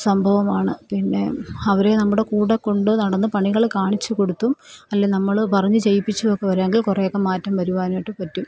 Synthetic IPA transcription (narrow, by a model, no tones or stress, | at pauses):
sɐmbʱɐʋɐmaːɳɨpinːe̞ɐʋɐɾe̞nɐmːuɽe̞kuːɽɐkːo̞ɳɖɨnɐɽɐnːɨpɐɳiɣɐɭkaːɳit͡ɕːuko̞ɽut̪ːumɐlːenɐmːɐɭpɐrɐɲːɨt͡ɕejipːit͡ɕːuokːeʋɐɾaːŋɡilkurejokːemaːtːɐmʋɐɾuʋaːnjʈːɨpɐtːum